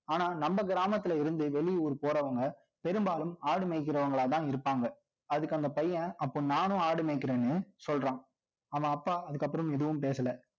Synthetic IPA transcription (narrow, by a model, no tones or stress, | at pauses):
aːnaːnɐmbɐɡɪɾaːmɐt̪ːɪlɐɪɾɯnd̪ɯʋɛɭɪjɔɾɯpoːɾɐʋɐŋɡɐ | pɛɾɯmbaːlɯmaːɽɯmeːk̬ːɪɾɐʋɐŋɡɐɭaːt̪ãːɪɾɯpːaːŋɡɐ | ɐðɯkːɐnd̪ɐpɐjːɐ̃ɐpːoːnaːnʊ̃aːɽɯmeːkːɪɾeːnːɯsɔlrɾãː | ɐːʋãɐpːaːɐðɯkːɐp̬ːɯɾɐmɛðɯʋɯmpeːsɐlɐ